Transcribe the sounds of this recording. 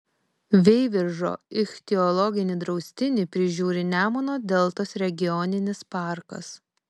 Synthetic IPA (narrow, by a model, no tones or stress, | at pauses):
ʋʲɛɪʋʲɪɾʒo̰ːɪxt̪ʲɛɔlˠɔɡʲɪnʲiːd̪ɾɒʊsʲt̪ʲɪnʲɪpʲɾʲɪʒʲuːɾʲɪnʲæːmonoːd̪ʲɛlˠt̪ɐsɾʲɛɡʲɪjɔnʲɪnʲɪspɑˑɾkɐ̰s